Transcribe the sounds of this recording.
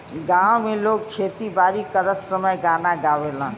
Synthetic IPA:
ɡãwmeloɡkʰet̪ibaɾikəɾət̪səməjɡanaɡaʋelã

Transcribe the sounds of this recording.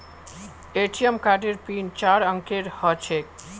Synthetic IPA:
eʈijəmkaɖeɾpint͡ʃaɾə̃ŋkeɾhɔt͡ʃʰek

